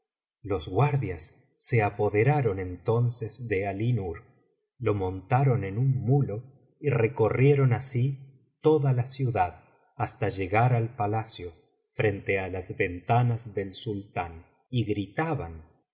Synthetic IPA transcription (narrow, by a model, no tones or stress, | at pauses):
lo̞zɣwaɾðjasː | eapo̞ðe̞ɾaɾo̞nent̪o̞nsezðealinuɾ | lo̞mõ̞nt̪aɾo̞ne̞nunmulo̞ | ireko̞rjeɾo̞nasi | t̪o̞ðalasjuðað | ast̪aʒeɣaɾalpalasjo̞ | fɾe̞nt̪ealazβe̞nt̪anazðe̞lsult̪an | iɣɾit̪aβan